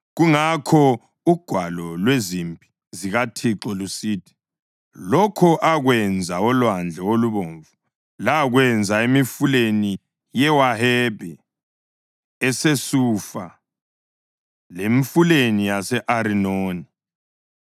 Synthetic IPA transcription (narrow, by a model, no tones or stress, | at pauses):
ɣuŋakʰɔ | uɡ̥ʱwalɔlwezimpʼi | ziɣatʰiǁɔlusitʰi̥ | lɔkʰɔʔaɣwɛnd͡zʱaɔlwand͡ɮʱɛoluβoːɱvu | laɣwɛnd͡zʱaemifuleni | jɛwaɦɛbʱɛ | ɛsesufa | leɱfulenijasɛʔaɾinoːni